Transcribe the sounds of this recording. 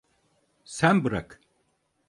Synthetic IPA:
sænbɯɾa̰k

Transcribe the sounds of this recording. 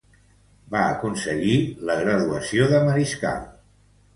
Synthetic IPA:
baə̰kunsəɣiləɣɾəðuəsioðəməɾiska̰l

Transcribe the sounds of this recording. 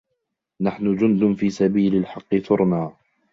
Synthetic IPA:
naħnʊd͡ʒʊnd̪ʊnfiːsabiːlalħɑqːɨθʊɾˤnaː

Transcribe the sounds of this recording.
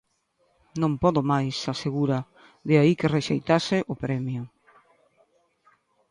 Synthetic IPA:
nõmpɔðomajsaseɣuɾa | ðeaikereʃejt̪asɪʔʊpɾɛmjʊ

